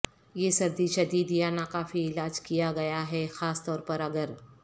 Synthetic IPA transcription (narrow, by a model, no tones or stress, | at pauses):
jeːsɐɾd̪iʃɐd̪iːd̪ijanakaːfiɪlaːd͡ʒkijaɡɐjaɦɛxaːst̪ɔːɾpɐɾɐɡəɾ